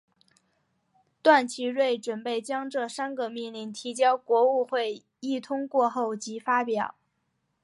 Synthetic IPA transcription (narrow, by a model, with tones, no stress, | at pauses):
t̪wa˥˩nt͡ɕʰi˧˥ɻwe˥˩ɪʈ͡ʂwə˨˩npe˥˩ɪt͡ɕjɑ˥ŋʈ͡ʂɤ˥˧ʂa˥nɡə˧mi˥˧nli˥˩nt̪ʰi˧˥t͡ɕjɑ˥ʊkwɔ˧˥u˥˧xwe˥˧ɪ | i˥˩t̪ʰʊ˥ŋkwɔ˥˧xo˥˩ʊt͡ɕi˧˥fa˥pjɑ˨˩˦ʊ